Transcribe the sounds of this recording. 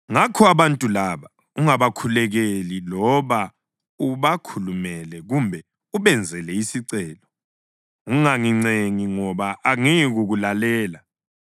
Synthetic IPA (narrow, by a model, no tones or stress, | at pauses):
ŋakʰɔaβantʼulaβa | uŋaβakʰulɛɣelilɔβa | uβakʰulumɛlɛɣumbʱɛ | uβɛnd͡zʱɛlɛisiǀɛːlɔ | ɣuŋaŋiŋ͡ǀeŋiŋɔβaʔːŋiɣuɣulalɛːla